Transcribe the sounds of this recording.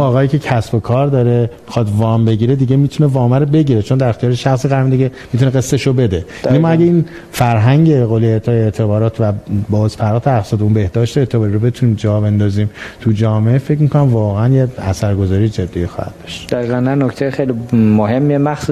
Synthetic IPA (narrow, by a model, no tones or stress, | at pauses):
ɒːɣɒːjiːcʰe̞cʰæsbo̞kʰɒːɾd̪ɒːɾemixɒːt̪vɒːmbe̞ɟiːɾe̞d̪iɟemiːt̪ʰune̞vɒːmæɾobe̞ɟiːɾet͡ʃʰo̞nd̪æɾext̪iɒːɾeʃæxsiɣæɾmid̪iɟemiːt̪ʰuneɣesːeʃobe̞d̪e̞ | inemɒæɟæiːn | fæɾɦæŋɟeɣoːleet̪ʰɒːjeet̪ʰebɒːɾɒːt̪ʰvæbɒːzpʰæɾɒːt̪ʰeæxsɒːd̪eunbe̞hd̪ɒːʃt̪eet̪ʰebɒːɾiɾobe̞t̪ʰuniːmd͡ʒɒːbe̞nd̪ɒːziːmt̪ʰud͡ʒɒːmeefe̞cmikʰo̞næmvɒːɣeænjeæsæɾɡozɒːɾijed͡ʒed̪ːijexɒ̰ːhæ̰d̪̥̚d̪ɒʃt̪d̪̥æɣiɣænnænːoct̪ʰejexejlimoɦemːiemæxsu